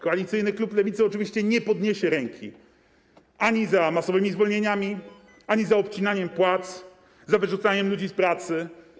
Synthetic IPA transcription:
kɔalʲit̪sɘjnɘkluplɛvʲit̪sɛɔt͡ʂɘvʲiɕt͡ɕɛɲɛpɔd̪ɲeɕɛɾɛŋkʲḭ | ʔaɲizamasɔvɘmʲizvɔlɲeɲamʲi | aɲizaɔpt͡ɕinaɲɛmpwat̪s | zavɘʐut̪saɲɛmlud͡ʑispɾat̪sɘ

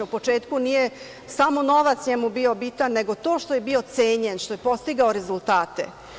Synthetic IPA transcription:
upo̞t͡ʂeːt̪kunije | samono̞ʋat̪sɲemubio̞bit̪anːe̞ɡo̞t̪o̞ːʃt̪o̞je̞bio̞t̪seːɲenʃt̪o̞jepo̞st̪iɡaoɾezulˠt̪aːt̪ḛ

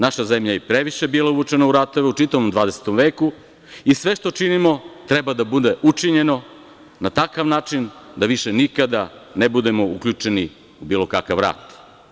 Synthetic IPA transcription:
naʃazemʎajepɾeʋiʃe̞biːlˠauʋut͡ʃe̞nauɾat̪o̞ʋeut͡ʃit̪aʋomd̪ʋaːd̪ese̥t̪omʋeːku | isʋeʃt̪o̞t͡ʃinimo̞t̪ɾebad̪abud̪e̞ʔut͡ʂiɲe̞no̞ | nat̪akaʋnaːt͡ʃind̪aʋiʃenikad̪anebud̪e̞mo̞ukʎut͡ʂe̞ni | ubiːlˠo̞kakaʋɾa̰ːt̪

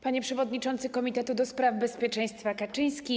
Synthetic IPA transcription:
paɲɛpʂɛvɔd̪ɲit͡ʂɔnt̪sɘkɔmʲit̪ɛt̪ud̪ɔspɾavbɛspʲjɛt͡ʂɛj̃st̪fakat͡ʂɘj̃skʲi

